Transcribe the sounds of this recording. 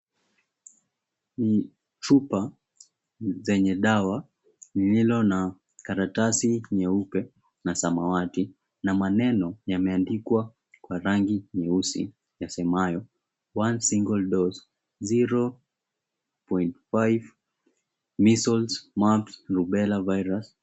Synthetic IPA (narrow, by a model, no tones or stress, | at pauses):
ni | tupa | zɛɲɛɗawa | nililɔna | kaɾatasiɲɛupɛ | nasamawati | namanɛnɔjamɛandikwa | kwaɾaŋɡiɲɛusḭ | jasɛmajɔ | wansiŋɡɔlɗɔz | ziɾɔ | pɔintfajv | misɔlsmapsɾuɓɛlavajɾas